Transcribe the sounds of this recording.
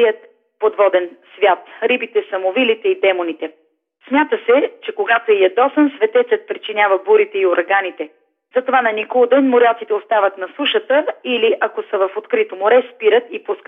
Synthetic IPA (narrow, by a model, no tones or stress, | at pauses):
iət̪̚ | pod̪vɔd̪ɛnsvʲjat̪ɾibit̪ɛsɐmovilit̪ɛid̪ɛmonit̪ɛ | smʲjat̪əsɛt͡ʃɛkoɡat̪oɛjɐd̪ɔsənsvɛt̪ɛt̪sət̪̚pɾit͡ʃinʲjavəbuɾit̪ɛioɾɐɡanit̪ɛ | zɐt̪ovanɐnikolˠd̪ɛnmoɾʲat̪sit̪ɛost̪avət̪nɐsuʃət̪əiliʔɐkosəvɐfot̪kɾit̪omoɾɛspiɾət̪ipuskət̪